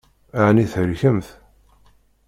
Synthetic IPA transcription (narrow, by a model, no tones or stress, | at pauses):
aʕniθəɾçəmθ